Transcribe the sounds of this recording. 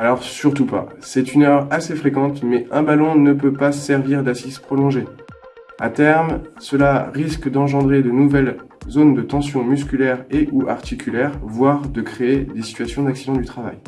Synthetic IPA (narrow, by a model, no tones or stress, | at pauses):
alɔʁsyʁt̪upa̰sɛt̪ynœʁasefχekɑ̃t̪mɛɛ̃balɔ̃nəpøpasɛʁviʁd̪asizpχɔlɔ̃ʒe | a̰t̪ɛʁmsəlaʁiskd̪ɑ̃ʒɑ̃d̪ʁed̪ənuvɛl | zond̪ət̪ɑ̃sjɔ̃myskʲylɛʁeʔuʔaʁt̪ikʲylɛʁvwaʁd̪əkχeed̪esi̥t̪ɥasjɔ̃d̪aksid̪ɑ̃d̪yt̪χava̰j